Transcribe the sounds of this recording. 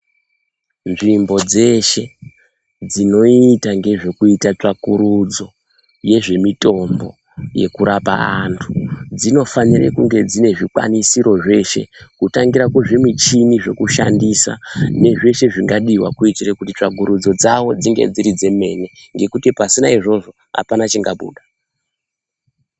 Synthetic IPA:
nʐimbo̞d͡ze̞ʃe̞ | d͡zino̞itaŋɡe̞ʐe̞kuitat͡ʂakuɾud͡zo̞ | je̞ʐe̞mito̞mbo̞̰ | je̞̰kuɾapa̰antʰu̥d͡zino̞fanirḛkuŋɡe̞d͡zine̞ʐikwa̰nisiɾo̞ʐe̞ʃe̞̰kutaŋɡiɾakweʐe̞mit͡ʃiniʐe̞kuʃa̰ndisa̰ne̞ʐe̞ʃe̞ʐiŋɡaɗiwa̰kuitirekutit͡ʂaɡʱuɾud͡zo̞d͡zawo̞d͡ziŋɡe̞̰d͡ziɾid͡ze̞me̞ne̞ŋɡe̞kutipasinaiʐo̞ʐo̞ | ɦa̰panat͡ʃiŋɡaɓṵːɗa

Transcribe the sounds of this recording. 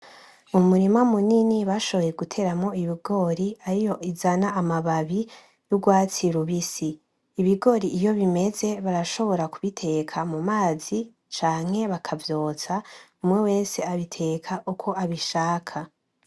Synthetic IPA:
umuɾimamuniniβaʃo̞βo̞je̞ɡutʰe̞ɾamŋo̞iβiɡo̞ɾiaɾijo̞izanaːmaβaβi | juɡwaːt͡siɾuβisiː | βiɡo̞ɾiːjo̞βime̞ze̞βaɾaʃo̞βo̞ɾakuβitʰe̞kʰamumaːz̥i | t͡ʃaːŋ̥he̞βakʰavjo̞ːt͡saumŋe̞we̞ːse̞aβitʰe̞kʰaʔukʰo̞aβiʃaːkʰa

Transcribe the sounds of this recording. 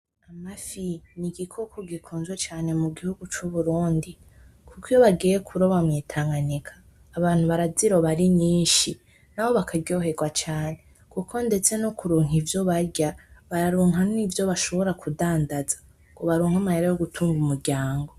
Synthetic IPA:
amafiniɡikʰo̞kʰoɡikʰuːnzwet͡ʃaːne̞muɡihuɡut͡ʃuβuɾuːndi | kukijoβaɡiːje̞kʰuɾoβamɲiːtʰaːŋɡanikʰḁː | βaːn̥huβaɾaziɾo̞βaɾiɲiːnʃi | naβo̞βakaɟo̞ɦe̞ɡwat͡ʃaːne̞ | kukʰo̞nde̞t͡se̞nokuɾuːŋɦivjo̞βaɾɟaβaɾaɾuːŋɦannivjo̞βaʃo̞βo̞ɾakudaːndazḁ | koβaɾuːŋ̥hamaheɾajo̞ɡutʰuːŋɡumuɾɟaːŋɡo̞

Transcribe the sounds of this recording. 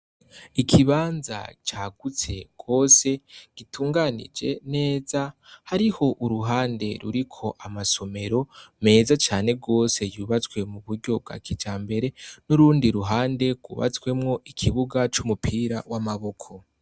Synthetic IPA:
ikʰiβaːnza̰t͡ʃaːɡ̥ut͡se̞ɡ̥wo̞se̞ɡ̥itʰuːŋɡanḭd͡ʒe̞̰ne̞ːzahaɾiho̞ʔuɾuɦaːnde̞ɾṵɾikʰo̞ʔamaso̞me̞ɾo̞me̞ːzat͡ʃaːne̞ɡo̞ːse̞juːβat͡swe̞muβuɾɟo̞b̚ɡa̰ːkʰid͡ʒaːmbe̞ɾe̞nuɾuːndiɾuɦaːnde̞ɡwṵːβa̰t͡swe̞mŋo̞ʔikʰiβuɡat͡ʃumupʰiɾawamaβo̞kʰo̞

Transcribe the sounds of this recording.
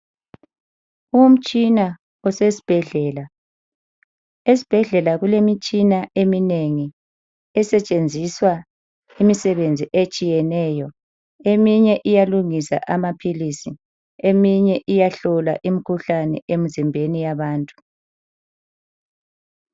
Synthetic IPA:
um̩t͡ʃʼina | ɔsesi̥b̥ʱɛɮɛːla | esi̥b̥ʱɛɮɛlaɣulemit͡ʃʼinaemineŋi | ɛsɛt͡ʃʼend͡zʱiswa | imisɛβend͡zʱiʔet͡ʃʼijɛnɛːjɔ | emiɲɛʔijaluŋisa̰ʔamapʰilisi | emiɲɛʔijaɬɔla̰ʔimikʰuɬanɛ̰ʔemizimbʱenijaβaːntʼu̥

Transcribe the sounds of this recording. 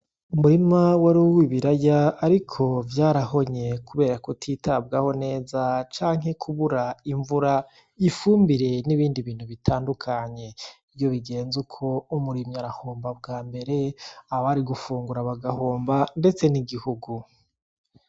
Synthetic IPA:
umuɾimawaɾuwiβiɾajaːɾikʰo̞vjaːɾaho̞ɲe̞kuβe̞ːɾakotʰiːtʰab̚ɡaho̞ne̞ːzat͡ʃaːŋɦe̞kʰuβuɾaiɱvuɾa | ifuːmbiɾe̞niβiːndiβiːn̥huβitʰaːndukʰaɲe̞ivjo̞βiɡe̞ːnzukʰo̞umuɾimiaɾaho̞ːmbab̚ɡaːmbe̞ɾe̞aβaɾiɡufuːŋɡuɾaβaɡaho̞ːmbande̞t͡se̞niɡihuɡu

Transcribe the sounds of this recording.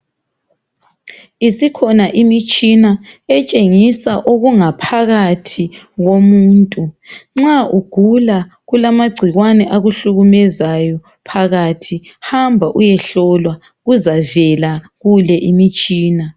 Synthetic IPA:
isikʰɔnaʔimit͡ʃʼinaɛt͡ʃʼeŋisaʔoɣuŋapʰaɣatʰi | ɣomuːntʼuŋ͡ǁaʔuɡ̥ʱula | ɣulamaɡ͡ǀʱiɣwanɛʔaɣuɬuɣumɛzajɔ | pʰaɣatʰihambʱaʔujɛɬɔlwa | ɣuzavɛla | ɣulɛʔimit͡ʃʼiːna

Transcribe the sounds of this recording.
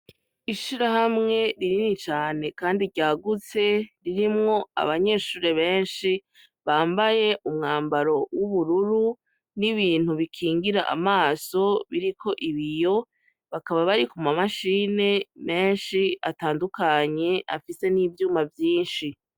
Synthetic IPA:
iʃiɾahamŋe̞ɾiɾinit͡ʃaːne̞kaːndiɟaːɡut͡se̞ɾiɾimŋo̞a̰βaɲe̞ːʃuːɾeβe̞ːnʃi | βaːmbaje̞ʔumŋaːmbaɾo̞wuβuɾuɾu | niβiːn̥huβikʰiːŋɡiɾaʔa̰maːso̞βiɾikʰo̞ʔiβijo̞ | βakaβaβaɾikumamaʃiːne̞me̞ːnʃia̰taːndukaɲe̞ʔa̰fise̞niːvjuːmavjiːnʃi

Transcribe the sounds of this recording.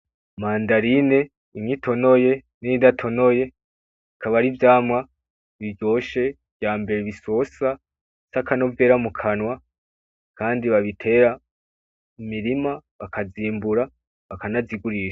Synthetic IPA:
maːndaɾine̞ | iŋŋitʰo̞no̞je̞niidatʰo̞no̞je̞ | ikʰaβaɾivjaːmŋa | βiɟo̞ːʃe̞ | v̥jaːmbe̞ɾeβiso̞sa | sakano̞vje̞ːɾamukʰanwa | kaːndiβaβitʰe̞ːɾa | imiɾimaβakʰaziːmbuɾa | βakanaziɡuɾiːʃḁ

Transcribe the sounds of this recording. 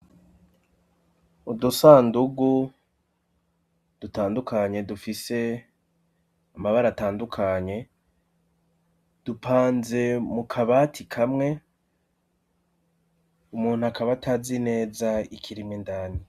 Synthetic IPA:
udusaːnduɡu | d̥utaːndukaɲe̞dufise̞ | amaβaɾataːndukʰaɲe̞ | d̥upʰaːnze̞mukʰaβatʰikʰamŋe̞ | umuːn̥huakaβatʰaːzine̞ːzaikʰiɾimŋendaːni

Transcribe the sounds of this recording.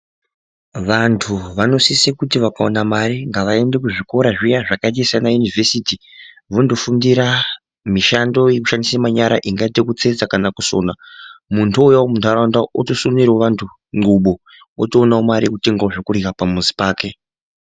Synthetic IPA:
ʋantʰuʋano̞sisekutiʋakao̰namaɾiŋɡaʋae̞nde̞k̬uʐiko̞ɾaʐijaʐakait̬isanajunivʱesiti | ʋondo̞fundiɾa | miʃando̞jekuʃandisamaɲaɾa̰ʔiŋɡaitekut͡se̞d͡zakanakuso̞̰ːnamuntʰuojaomuntʰaɾandaotosuniɾoʋantʰu | ŋ͡ǃɡuɓo̞ | o̰toːnaomaɾikuteŋɡaoʐokurikapamuzi̥paːke̞

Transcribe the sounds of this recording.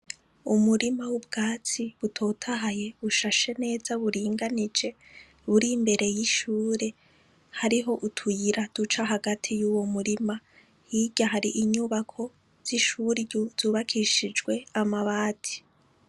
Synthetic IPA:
umuɾimawubɡ̥aːt͡siβutʰo̞tʰaɦaje̞βuʃaʃe̞ne̞ːzaβuɾiːŋɡanid͡ʒe̞ | βuɾimbe̞ɾʔe̞jiʃuːɾe̞ | haɾiɦo̞ʔutʰujiɾad̥ut͡ʃaɦaɡatʰijuwo̞muɾima | jiɟaɦaɾiʔiɲuβakʰo̞ | z̥iʃuːɾiɟuz̥uːβakʰiʃid͡ʒɡwe̞amaβaːti̥

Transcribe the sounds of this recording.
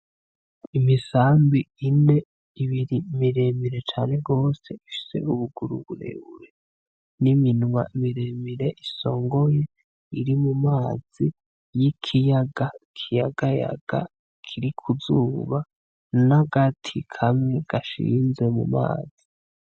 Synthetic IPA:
imisaːmbiine̞ | iβiɾimiɾemiɾe̞t͡ʃaːne̞ɡo̞ːse̞ifi̥se̞̰uβuɡuɾuɡuɾḛβṵɾe | niminma̰imiɾemiɾe̞ʔiso̞ːŋɡo̞je̞ | iɾimumaːz̥i | jikʰijaɡakʰijaɡaja̰ɡ̥a̰ | kʰiɾikʰuzuːβa | naɡatʰikʰameɡ̥aʃḭːnze̞mṵma̰ːz̥i

